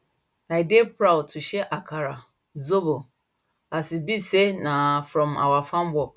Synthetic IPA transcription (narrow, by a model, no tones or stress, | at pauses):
ajdepʰɾawtʰuɕɛʔakʰaɾa | zobo | asibisenãfɾɔ̃ma̰wafãmbɔ